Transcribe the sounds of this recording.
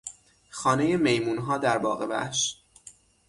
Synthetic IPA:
xɒːne̞je̞me̞jmuːnɦɒːd̪æɾbɒ̰ːɣevæ̰hʃ

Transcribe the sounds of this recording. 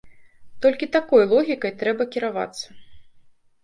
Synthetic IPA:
t̪ɔlʲkʲit̪akɔjlˠɔɣʲikɐjt̪ɾɛbɐkʲiɾava̰t̪sːɐ̥

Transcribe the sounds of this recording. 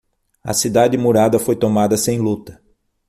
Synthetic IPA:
ɐ̰sid̪ad͡ʒɪmuɾad̪ɐfojt̪omad̪ɐsẽj̃lut̪ɐ̥

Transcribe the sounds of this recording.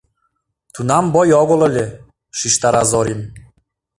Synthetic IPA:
t̪unɑmbojɔɣŏlˠɤ̆lʲe | ʃiʃt̪ɑɾɑzoɾin

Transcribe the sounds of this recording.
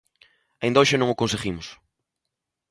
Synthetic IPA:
ɐĩnd̪oʃɪnõŋokõnseɣimʊs

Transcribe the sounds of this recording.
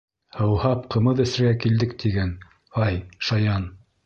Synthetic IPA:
hɤ̆whɑpqɤ̆mɤðɵ̆sɾɘɡækild̪ɘk̚t̪ʰiɡæn | ɑjʃɑjɑn

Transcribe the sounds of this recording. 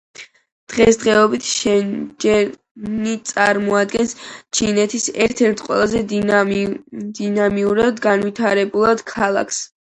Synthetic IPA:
d̪̥ʁɛsd̪ʁɛɔbit̪ʰʃɛd͡ʒɛ | nit̪sʼaɾmɔad̪̚ɡɛnst͡ʃʰinɛt̪ʰisɛ̰ɾt̪ʰɛɾt̪ʰqʼwɛ̰lˠazɛ | d̪inamiuɾad̪ɡanwit̪ʰaɾɛbulˠad̪kʰalˠa̰kʰs

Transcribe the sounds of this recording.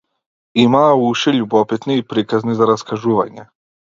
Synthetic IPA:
imauʃiʎubopit̪niːpɾikaznizaɾaskaʒuːʋaɲe

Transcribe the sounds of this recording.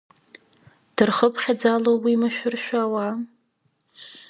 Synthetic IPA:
d̥ɨrχəpʰχʲad͡zalowwimaʃᶣʊrʃʷᶣaːwa

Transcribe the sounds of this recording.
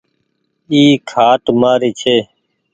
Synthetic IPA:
iːkʰaːʈmaːɾiːt͡ʃʰeː

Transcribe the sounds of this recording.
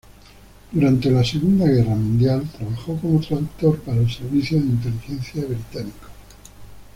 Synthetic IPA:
d̪uɾant̪e̞lase̞ɣund̪aɣ̞e̞ramũnd̪jalt̪ɾaβaxo̞ko̞mot̪ɾaðukt̪o̞ɾpaɾaelse̞ɾβiθjoðeint̪̬e̞lixenθjaβɾit̪anikḁ

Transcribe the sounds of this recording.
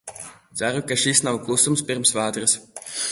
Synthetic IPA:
t̪sæɾukaʃisnawklˠusumspiɾmsvaːt̪ɾɨs

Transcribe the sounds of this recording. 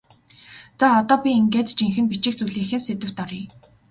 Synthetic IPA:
t͡saɔt̪ɔːpʲiiŋɡeːt̪t͡ɕiŋxɘ̆npit͡ɕɪ̆k̚t͡suɮiːxɘ̆nset̪ɘ̆w̥t̪ɔriː

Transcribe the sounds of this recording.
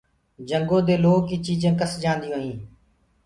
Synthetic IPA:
d͡ʒəŋɡõːd̪eːloːkiːt͡ʃiːd͡ʒẽːkəsd͡ʒãːnd̪ɪjõːɦĩː

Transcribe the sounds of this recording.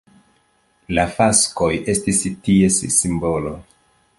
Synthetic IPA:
lafasko̞je̞stistie̞ssimbo̞lo

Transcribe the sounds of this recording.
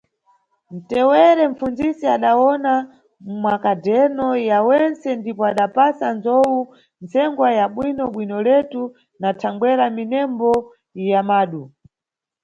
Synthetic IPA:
n̩tɛwɛɾɛɱfund͡zisiaɗawɔna | mmwakadɛnɔjawɛnt͡sɛndipɔaɗapasanzɔwu | nt͡sɛŋɡwajaɓwinɔɓwinɔlɛtu | natʰaŋɡwɛɾaminɛmbɔ | jamaːɗu

